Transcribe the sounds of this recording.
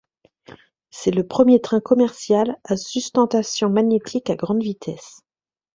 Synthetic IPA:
sɛləpχəmjet̪χɛ̃kɔmɛʁsjalasyst̪ɑ̃t̪asjɔ̃maɲet̪ʰikaɡʁɑ̃d̪vit̪ʰɛs

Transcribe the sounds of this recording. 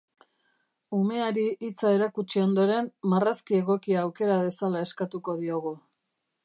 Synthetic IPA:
ume̞aɾiʔit͡sae̞ɾakut͡ʃio̞nd̪o̞ɾe̞mmaraskie̞ɣ̞o̞kiaːwke̞ɾaðe̞salae̞skat̪uko̞ðio̞ɣ̞u

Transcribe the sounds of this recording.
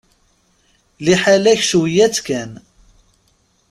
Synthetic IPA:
liħalæçʃuwjæt͡skæn

